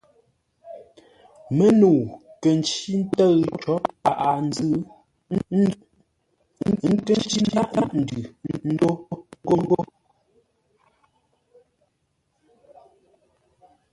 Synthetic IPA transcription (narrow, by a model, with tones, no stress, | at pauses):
mə˦nuː˨kə˨n˨t͡ʃi˦n̩˦tə˦ɣt͡ʃɔ˨˦p̚a˨ʔa˨n˦zɨ˦˨ | ŋ̩˦˨ŋ̩˦kə˦n˦t͡ʃi˦ma˦ʔa˦ʔn̩˨dʉ˨n̩˦do˦ŋ˦ɡo˦ŋ˦ɡo˦